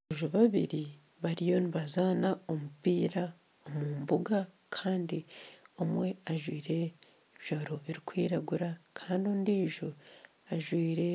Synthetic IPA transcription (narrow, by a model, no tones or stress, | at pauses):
ʒoβaβḭɾi | βaɾijo̞niβazaːnao̞mupiːɾa | omuːmbuɡa | kʰaːndiomwe̞aʒwiːɾe̞ | βiʒ̥oɾo̞βiɾikwiːɾaɡuɾakʰaːndiondiːʒo | aʒwiːɾe̞